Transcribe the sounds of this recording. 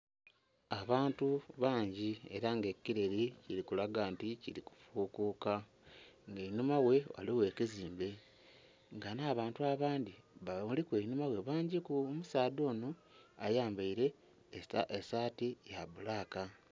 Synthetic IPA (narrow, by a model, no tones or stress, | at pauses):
aβaːntuβaːɲɟie̞̰ɾaŋɡe̞kːiɾeɾiciɾikulaɡaːnticiɾiku̥fuːkuːka | ŋɡeinumawe̞wa̰liwe̞ːkiziːmbe̞ | ŋɡanaːβaːntuaβaːndiβamulikwenumawe̞βaːɲɟikuomusaːdo̞ːnoajaːmbaiɾe̞ | esaːtijaβulaːka